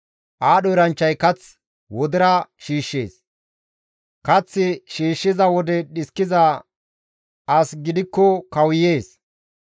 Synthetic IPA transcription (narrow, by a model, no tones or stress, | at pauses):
ʔaːɗɔjɾɐnt͡ʃːɐjkɐt͡s | wɔd̪ɪɾɐʃiːʃːḛːs | kɐt͡sːɪʃiːʃːɪzɐwɔd̪ɛɗɪskːɪzɐ | ɐsɡɪd̪ɪkːɔkɐwje̞ːs